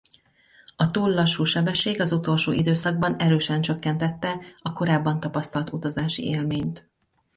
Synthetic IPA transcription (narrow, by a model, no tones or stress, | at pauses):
ɒt̪uːlːɒʃːuːʃɛbɛʃːeːɡɒzut̪o̞lʃoːʔid̪øːsɒɡ̚bɒnɛɾøːʃɛnt͡ʃø̞kːɛn̪t̪ɛt̪ːɛɒko̞ɾaːbːɒnt̪ɒpɒst̪ɒlt̪ut̪ɒzaːʃḭeːlmeːɲt̪